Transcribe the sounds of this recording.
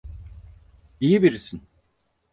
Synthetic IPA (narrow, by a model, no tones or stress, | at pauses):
ijibiɾisin